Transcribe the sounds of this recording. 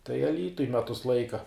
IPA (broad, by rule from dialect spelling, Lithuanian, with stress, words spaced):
tɐɪ ɐˈlʲiːtʊj ˈmʲæːtʊs ˈlˠɐɪkɐ